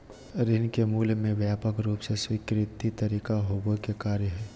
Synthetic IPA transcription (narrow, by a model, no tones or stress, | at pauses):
ɾɪnkemuːlmẽʋjaːpəkɾuːpseswikɾɪt̪ːit̪əɾiːkaɦoːɡokekaːɾjəɦɛː